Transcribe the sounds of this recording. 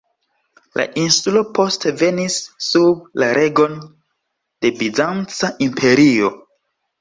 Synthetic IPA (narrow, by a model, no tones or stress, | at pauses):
la̰ʔinsulo̞po̞steve̞nisːub̚laɾʔe̞ɡo̞n | de̞bizant͡saʔimpʰe̞ɾio̞